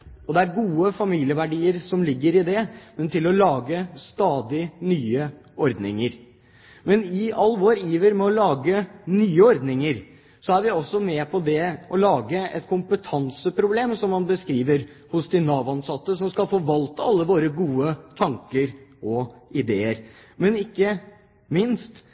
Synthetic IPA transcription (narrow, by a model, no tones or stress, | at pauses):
ɔd̪ɛæɾɡuːəfɑmiːlɪəʋæɖiːəɾsɔmlɪɡːəɾɪd̪ɛmɛnt̪ɪlɔlɑːɡəst̪ɑːd̪ɪnyːə | ɔɾd̪nɪ̰ŋəɾ | mɛnɪɑlːʋoːɾiːʋəɾmɛɔlɑːɡənyːəɔɾd̪nɪŋəɾ | sɔæɾʋɪɔsːɔmɛpʰɔd̪ɛʔɔlɑːɡəɛ̰t̪kʰʊmpət̪ʰɑnsəpʰɾʊbleːmsɔmːɑnbəskɾiːʋəɾ | hʊsd̪ɪnɑːʋɑnsɑt̪ːəsɔmskɑlfoːʋɑlt̪əɑlːəʋoːɾəɡuːət̪ʰɑŋkəɾɔɪd̪eːəɾmɛnɪkːə | mɪnst̪